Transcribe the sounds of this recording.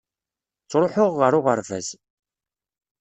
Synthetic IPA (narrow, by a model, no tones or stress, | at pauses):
t͡sːɾˤoħʊʁːəɾʊʁəɾvæ̰z